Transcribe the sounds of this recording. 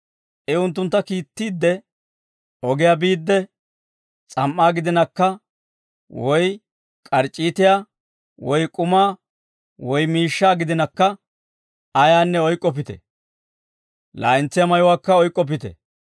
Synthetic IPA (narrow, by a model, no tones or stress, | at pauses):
ʔɛʊnt̪ːʊnt̪ːɐkiːt̪ːiːd̪ːɛ | ɔɡɪjabiːd̪ːɛ | t͡sʼɐmʔːaːɡɪd̪ɪnɐkːɐ | wɔj | kʼɐɾt͡ʃʼːiːt̪ɪjaː | wɔjkʼʊmaː | wɔjmiːʃːaːɡɪd̪ɪnɐkːɐ | ɐjaːnːɛɔjkʼːɔp̬ɪt̪ɛ̰ | la̰ːɪnt͡sːɪjamɐjʊwaːkːɐɔjkʼːɔp̬ɪt̪ɛ̰